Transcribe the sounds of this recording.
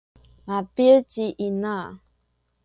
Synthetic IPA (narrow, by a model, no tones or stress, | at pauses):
mapiət͡ʃiʔina